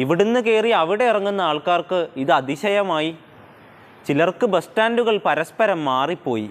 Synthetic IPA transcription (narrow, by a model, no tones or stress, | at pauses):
iʋiɽunːɨke̞ːriɐʋiɽe̞irɐŋːunːɐaːɭkaːrkɨiðɨɐd̪iɕɐjɐmaːji | t͡ɕilɐrkɨbɐstaːnduɣɐɭpɐɾɐspɐɾɐmːaːripːo̞ːjḭ